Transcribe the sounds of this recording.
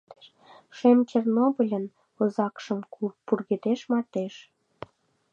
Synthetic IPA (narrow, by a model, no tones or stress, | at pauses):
ʃemt͡ɕernobəlʲən | ŏzɑkʃəmkpurɣed̪eʃmɑt̪eʃ